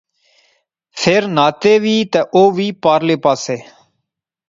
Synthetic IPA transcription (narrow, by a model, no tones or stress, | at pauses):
pʰeɾnaːt̪eːʋiːt̪eːʔoːʋiːpaːɾleːpaːseː